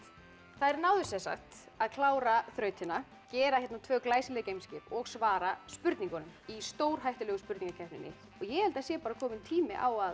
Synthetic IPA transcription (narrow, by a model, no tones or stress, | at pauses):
θaðɛɾnawðʏsɛnsa̰ht̪ | aðkʰlaːwɾaθɾœːɥt̪hɪnːa | cɛːɾaçjɛt̪nat̪ʰvœːklaːjsɪlɛːkcejmscɪpɔɣsvaːɾaspʏɾt̪niŋkɔnʏmist̪oːwɾ̥ɦajht̪ʏlœɣʏspʏɾt̪iŋkacʰɛht̪nɪ̰nːɪ̰ | ɔɣjɛhɛlt̪asjɛːpaːɾakʰɔːmɪnt̪ʰiːmɪ̰ʔaːwað